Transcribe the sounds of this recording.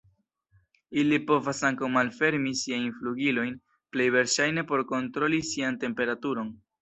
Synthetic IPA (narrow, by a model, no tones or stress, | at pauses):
ilipo̞vasaŋkawmalfe̞ɾmisiajnfluɡilo̞jn | ple̞jve̞ɾʃajne̞po̞ɾko̞ntɾo̞lisiante̞mpe̞ɾatuɾo̞n